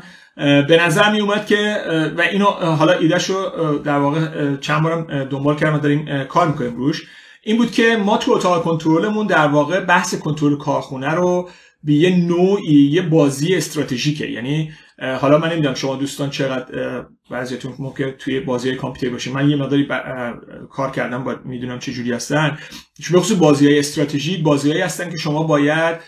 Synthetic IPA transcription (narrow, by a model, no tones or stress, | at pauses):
be̞næzæɾmijumæd̪̥̚cʲʰe̞væʔiːnoɦɒlɒʔiːd̪æʃɾod̪æɾvɒːɣet͡ʃʰænbɒːɾæmd̪o̞mbɒːlcʰæɾd̪æmæd̪ɒːɾiːmkʰɒːɾmikʰo̞niːmɾuʃ | ʔiːmbuːd̪̥cʰe̞mɒːt̪ʰuot̪ʰɒːɣekʰo̞nt̪ʰoɾole̞mund̪æɾvɒːɣe̞bæhse̞kʰo̞nt̪ʰoɾolekʰɒːɾxunæɾo | bejenoːʔiːje̞bɒːziːeːst̪ɾɒːt̪ʰe̞ʒiːcʰḛjæ̰ni | ɦɒːlɒːmænːe̞mid̪unæmʃo̞mɒːd̪uːst̪ɒːnt͡ʃʰe̞ɣæd̪ | bæzijɒt̪ʰunmomcʲʰent̪ʰujebɒːzijɒːjekʰɑmpʰut̪ʰeɾibɒːʃimænjeme̞ɣd̪ɒːɾibæ | kʰɒːɾcʰæ̰ɾd̪æmbd̪mid̪unæmt͡ʃʰe̞d͡ʒuɾiːhæst̪ænd̪ | bexo̞suːsbɒːziːhɒːjeːst̪ɾɒːt̪ʰeʒiːbɒːzihɒːiːhæst̪ænkʰe̞ʃo̞mɒːbɒːjæd̪̥̚